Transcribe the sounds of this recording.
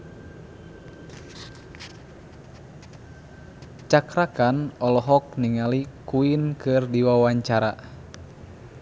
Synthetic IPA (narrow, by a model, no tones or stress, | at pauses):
t͡ʃakɾakanɔlɔɦɔk̚niŋalikuinkɨrdiwawaɲt͡ʃaɾa̰